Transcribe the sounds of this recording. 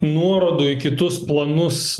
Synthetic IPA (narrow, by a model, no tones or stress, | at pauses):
nuɔɾoːd̪ʊːɪkʲɪt̪ʊsplˠɐnʊs